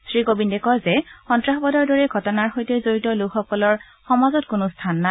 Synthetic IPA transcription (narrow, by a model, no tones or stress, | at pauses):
sɹikobindɛkɔɹzɛxɔntɹaxbɔdɔɹdɔɹɛɡʱɔtɔnaɹxojtɛzoɹitɔlukxɔkɔlɔɹ | xɔmazɔtkʊnʊstʰanːa